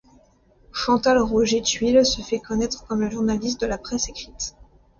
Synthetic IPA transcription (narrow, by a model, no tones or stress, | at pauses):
ʃɑ̃t̪alʁuʒet̪ɥilsəfɛkɔnɛt̪χkɔmləʒuʁnalis̬t̪̚d̪əlapχɛsekχit̪